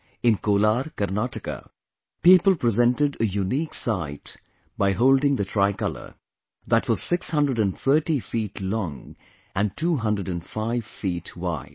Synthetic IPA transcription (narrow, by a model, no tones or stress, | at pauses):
ɪ̃nkoːlaɾkəɾnaʈəkə̰ | piːpəl̩ˠpɾɪzɛ̃nʈɪɖəjuniːksaɪt | baɪɦoʊldɪ̃ŋd̪ətʰɾaɪkʌlə̰˞ | ðætwɔz̥sɪkshʌ̃ndɾəɖæ̃nθʰəːʈifiːʈlɔ̃ŋ | æ̃ntʰuːɦʌ̃ndɾəɖɨ̃nfaɪv̥fiːtwa̰ɪd̥̚